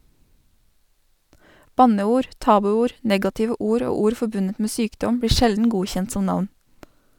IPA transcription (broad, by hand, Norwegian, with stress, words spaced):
ˈbɑnəˌuːɾ ˈtɑːbʉˌuːɾ ˈnɛɡɑtɪʋə ˈuːɾ ˈoː ˈuːɾ ˈfɔbʉnət ˈmeː ˈsyːkdɔm ˈbɽiː ˈʃɛldn̩ ˈɡuːçɛnt ˈsɔm ˈnɑʋn